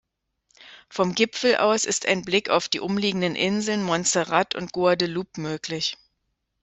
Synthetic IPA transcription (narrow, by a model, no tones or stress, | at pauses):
fɔmɡɪpfl̩ʔa̰ʊsɪ̰sta̰ɪnblɪka̰ʊfd̥iːʔʊmliːɡŋ̩dənʔɪnzl̩nmɔnt͡səʁatʊ̰nt̚ɡ̥oɐdəluːpmøːklɪç